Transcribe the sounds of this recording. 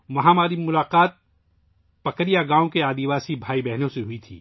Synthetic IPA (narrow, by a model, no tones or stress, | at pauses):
ʋɐɦãmaːɾimʊlaːqaːt̪̚ | pɐkəɾijaɡãːõkeaːd̪iʋaːsibʱaːibɛɦnõseɦʊit̪ʰḭː